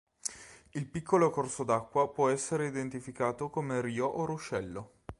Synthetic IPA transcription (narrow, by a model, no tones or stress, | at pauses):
ilpikːolokorsod̪akːwapwɔɛsːeɾeid̪ent̪ifikaːt̪okomeɾiːoʔoruʃːɛlːo